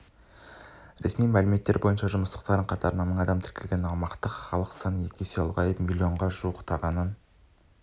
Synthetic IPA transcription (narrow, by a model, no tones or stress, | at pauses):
ɾḛsmijmælɪme̞t̪ːe̞ɾbo̞jənʃɑʒʊməst̪ə̥qt̪ɑɾəɴqʰɑt̪ɑɾənɑməɴɑd̪ɑmt̪ʰɪ̥ɾkʲe̞lɡʲenɑmɑqt̪əqχɑlˠəqsɑnəje̞kʲeselˠʁɑjəpmʲilʲˠio̞ɴʁɑʒuəqt̪ʰɑʁɑnən